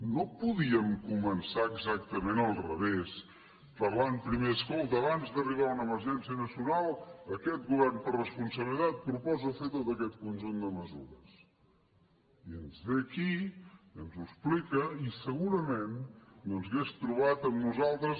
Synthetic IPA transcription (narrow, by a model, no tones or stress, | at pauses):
nopuðiəmkumənsaəɡzak̚t̪əmenəlˠrəβes | pəampɾimeəskolˠt̪əːβanzd̪əriβ̞aunəməɾʒɛnsiənəsiunalˠəkɛt̪̚ɣuβɛrnpərrəspunsəβəlit̪at̪̚pɾupɔzəfet̪ot̪əkɛt̪̚kunʲʒund̪əməzṵɾəs | iənzðekiənzuəsplikəisəɣuɾəmennonzɣest̪ɾuβ̞at̪əmnuzalˠt̪ɾəs